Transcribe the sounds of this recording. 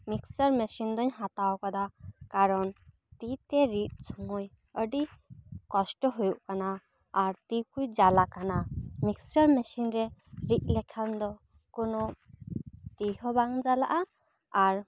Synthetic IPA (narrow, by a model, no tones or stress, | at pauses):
miksəɾmɛsind̪ɔɲɦat̪awkad̪akaɾɔn | t̪it̪ɛɾit̪̚sʰɔŋɔj | əɖikɔsʈɔɦujuʔkanaː | ɾt̪ikujd͡ʒalakanamiksəɾmɛsinɾɛɾit̪̚ˀlɛkʰand̪ɔ | kɔnɔ | t̪iɦɔbaŋd͡ʒalaʔa | aɾ